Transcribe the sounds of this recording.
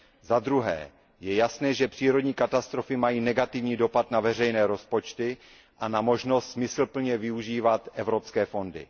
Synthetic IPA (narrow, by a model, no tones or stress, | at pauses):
zad̪ɾuɦɛ̰ː | jɛjasnɛːʒɛpr̥iːɾo̞dɲiːkat̪ast̪ɾo̞fɪmajiːnɛɡat̪ɪvɲiːdo̞pat̪navɛr̝ɛjnɛːɾo̞spo̞t͡ʃt̪ɪ | ʔanamo̞ʒno̞st̪smɪsl̩pl̩ɲɛvɪuʒiːvat̪ʔɛvɾo̞pskɛːfo̞ndɪ̰